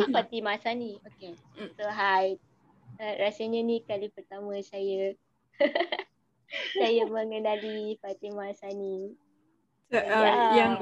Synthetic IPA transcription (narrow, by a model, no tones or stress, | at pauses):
afat̪imasanĩoke | soɦaj | arasəɲənikalipərt̪amə̃sajə | sajamə̃ŋənalifat̪imasani | ja